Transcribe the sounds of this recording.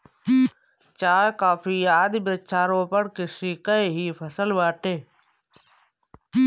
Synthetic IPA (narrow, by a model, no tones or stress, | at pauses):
t͡ʃaːkaːpiːaːd̪bət͡ʃʰaːɾõːpəɽkɪʃiːkəeɦiːpʰəsəlʋaːʈeː